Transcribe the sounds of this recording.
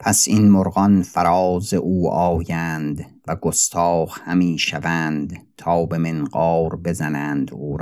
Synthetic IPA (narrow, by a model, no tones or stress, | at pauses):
pʰæsinmoɾɣɒnfæɾɒːzeʔuːʔɒːjænd̪ | væɡost̪ʰɒːχhæmiːʃævæːnd̪t̪ʰɒːbe̞menɢɒːɾbe̞zænæːnd̪uːɾ